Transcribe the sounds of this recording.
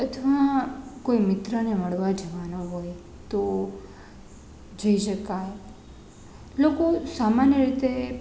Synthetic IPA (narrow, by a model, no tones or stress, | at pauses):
ət̪ʰʋakoimɪt̪ɾəneməɭʋad͡ʒəʋanoɦoj | t̪o | d͡ʒəiʃəkae | lokosamanjəɾit̪e